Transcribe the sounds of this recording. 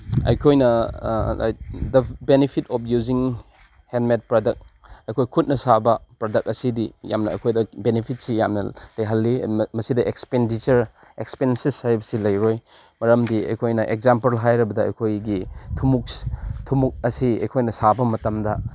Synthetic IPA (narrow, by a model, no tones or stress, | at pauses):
ɐ̰jkʰojnɐ | a̰j̚dɐbenipʰitɔpʰjuziŋ | henmet̚pɾodɐk̚ɐjkʰojkʰut̚nɐsabɐpɾodɐk̚ɐsidija̰mnɐɐ̰jkʰojdɐbenipʰit̚sijamnɐ̰lɐjɦɐlːimɐsidɐʔekspendit͡ʃɐɾ | ekspensisaɾbsilɐjɾoj | mɐɾɐmdiɐ̰jkʰojnɐʔek̚zampɐɾlɦajɾɐbɐdɐɐ̰jkʰojɡitʰumuk̚tʰumuk̚ɐsiɐ̰jkʰojnɐsabɐmɐtɐmdɐ